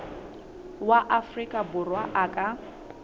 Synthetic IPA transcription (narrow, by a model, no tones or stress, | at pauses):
waʔafrikʼabʊrwaʔakʼa